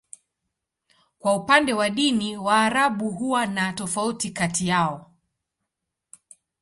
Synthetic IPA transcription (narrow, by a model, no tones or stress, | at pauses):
kwaupandɛwaɗiniwaːɾaɓuɦuwanatɔfautikatijaɔ